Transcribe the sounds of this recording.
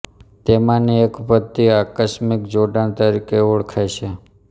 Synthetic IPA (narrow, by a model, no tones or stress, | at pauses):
t̪emãniekpət̪ːiakəʃmikd͡ʒoɖaɳt̪əɾikeoɭkʰajʃʰe